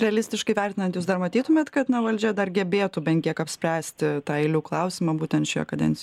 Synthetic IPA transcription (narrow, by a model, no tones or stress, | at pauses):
ɾʲɛlʲɪsʲt̪ʲɪʃkɐɪʋʲɛrʲt̪ʲɪnɐnt̪juːsd̪ɐrmɐt̪ʲiːt̪ʊmʲeːt̪kɐt̪nɐʋɐlʲd͡ʒʲɛd̪ɐrɡʲɛbʲeːt̪ubʲɛnʲkʲiɛkɐpʲsʲpʲɾʲæːsʲt̪ʲɪt̪ɑːɛɪlʲuːklˠɐʊsʲɪmɑːbuːtʲɛnt̪ʃʲʊjɛ̰kɐd̪ʲɛ̰nʲt͡sʲj